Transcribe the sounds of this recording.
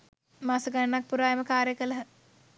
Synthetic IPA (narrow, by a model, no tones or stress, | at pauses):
maːsəɡənənak̚puɾaːjeməkaːɾjəkələɦə